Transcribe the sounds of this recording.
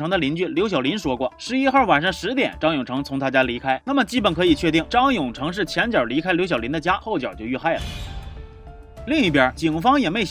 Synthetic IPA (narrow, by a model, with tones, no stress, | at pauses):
ɤ˧˥ŋd̪ə˧li˧˥nt͡ɕy˥˩ljo˧˥ʊɕ̬jɑ˨˩ʊli˧˥nʂwɔ˥kwɔ˥˩ʂɻ̩˧˥i˥xa˥˩wa˨˩nʂɑ˥˩ŋʂɻ̩˧˥t̪jɛ̰˨˩nʈ͡ʂɑ˥ŋjʊ˨˩ŋʈ͡ʂʰɤ˧˥ŋt͡sʰʊ˧˥ŋt̪ʰa˥˩t͡ɕja˥li˧˥kʰa˥ɪna˥˩mə˩t͡ɕi˥pə˨˩nkʰɤ˧˥i˨˩t͡ɕʰɥɛ˥˧t̪̬i˥˩ŋʈ͡ʂɑ˥ŋjʊ˨˩ŋʈ͡ʂʰɤ˧˥ŋʂ̬ɻ̩˥˩t͡ɕʰjɛ˧˥nt͡ɕjə˞˨˩li˧˥kʰa˥ɪljo˧˥ɕjɑ˨˩ʊli˧˥nd̪ə˧t͡ɕja˥xo˥˩ʊt͡ɕjə̰˞˨˩˥t͡ɕjo˥˧ʊy˥˧xa˥˩ɪlə̰˦ | li˥˧ŋi˥˩pjə˞˨˩˥t͡ɕi˨˩ŋfɑ˥ŋjɛ˨˩me˧˥ɪ